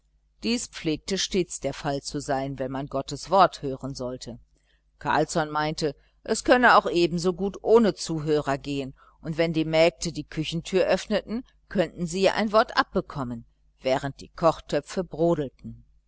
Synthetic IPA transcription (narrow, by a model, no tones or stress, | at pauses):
d̥iːspp͡fleːk̚təʃteːt͡sd̥eːɐfalt͡suzaɪnvɛnmanɡɔtəsv̥ɔɐthøːʁənzɔltʰə | kʰa̰ɐlsɔnmaɪntə | ʔɛskʰœnəaʊxʔeːbm̩zoːɡuːtʔoːnət͡suːɦøːʁɐɡeːən | ʔʊntv̥ɛndiːmɛːk̚tədiːkʰʏçn̩tʰyːɐʔœfnətn̩ | kʰœntn̩ziːʔa̰ɪnvɔɐtʔa̰p̚b̥əkʰɔmən | v̥ɛːʁ̞ənt̚d̥ḭːkʰɔχtʰœp͡fəbʁoːdl̩tn̩